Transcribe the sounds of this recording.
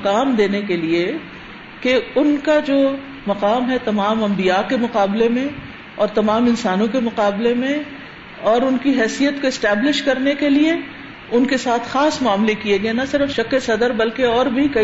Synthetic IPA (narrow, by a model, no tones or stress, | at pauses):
kaːmd̪eːnekelie | keʊnkad͡ʒoː | mɐqaːmɦɛt̪ɐmaːmɐ̃mbijakemʊqaːblemẽ | ɔːɾt̪ɐmaːmɪ̃nsaːnõkemʊqaːblemẽ | ɔːɾʊnkiɦɛːsijət̪koɪsʈɛːblɪʃkɐɾnekelie | ʊnkesaːt̪ʰxaːsmʊaːmlekieɡɐenɐsɪɾəfʃɐkesɐd̪əɾbɐlkeɔːɾbʱikɐ